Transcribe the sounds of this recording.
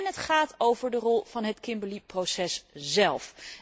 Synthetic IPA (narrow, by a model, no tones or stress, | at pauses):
nɦətχaːtowvəɹdərɔlˠv̥ɑnɦətkɪmbəliprosɛszɛlˠf